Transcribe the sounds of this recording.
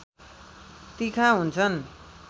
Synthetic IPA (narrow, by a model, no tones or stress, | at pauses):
t̪ikʰaɦunt͡sʰʌn